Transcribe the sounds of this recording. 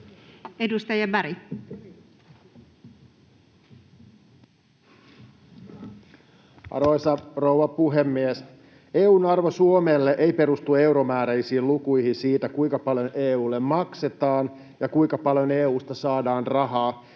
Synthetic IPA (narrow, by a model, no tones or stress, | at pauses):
edust̪ɑjɑbæɾi | ɑ̰rojsɑrouʋɑpuɦe̞mːies | eːuːnɑrʋosuomeːlːeʔejpe̞ɾust̪ue̞uwɾomæːɾeisiːlukujhinsiːt̪ækuiŋkɑpɑljo̞nʔeːuːlːemmɑkse̞t̪ɑːn | jɑkuiŋkɑpɑljo̞neːuːst̪ɑsɑːdɑːnrɑɦɑː